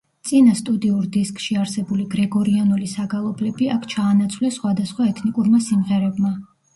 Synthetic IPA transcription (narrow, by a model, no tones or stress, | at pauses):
t̪sʼinast̪ʼud̪iuɾd̪iskʼʃiaɾsɛbuliɡɾɛɡɔɾianulisaɡalˠɔblɛbiakʰt͡ʃʰaːnat̪sʰwlɛsχwad̪asχwaɛt̪ʰnikʼuɾmasimʁɛɾɛbma